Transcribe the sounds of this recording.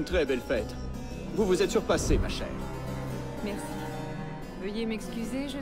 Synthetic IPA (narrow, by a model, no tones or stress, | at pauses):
nt̪χɛbɛlfɛt̪ | vuvuzɛt̪syʁpasemaʃɛ̰ːʁ | mɛʁsi | vəjemɛkskʲyzeʒ